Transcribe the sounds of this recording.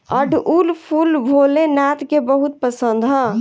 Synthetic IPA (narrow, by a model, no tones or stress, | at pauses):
əɖʱulpʰulbʱolenat̪kebəɦut̪̚pəsənd̪ʱɦə